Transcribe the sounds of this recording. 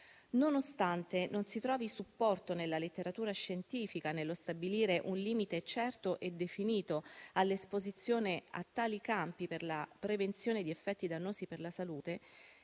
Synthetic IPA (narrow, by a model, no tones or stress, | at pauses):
nonost̪ant̪enonsit̪ɾɔːvisupːɔrt̪onelːalet̪ːeɾat̪uːɾaʃent̪iːfikanelːost̪abiliːɾeʔunliːmit̪et͡ʃɛrt̪oʔed̪efiniːt̪oalːespozit̪sːjoːnea̰t̪ːaːlikampiperlapɾevent̪sjoːned̪iefːɛt̪ːid̪anːoːziperlasaluːt̪e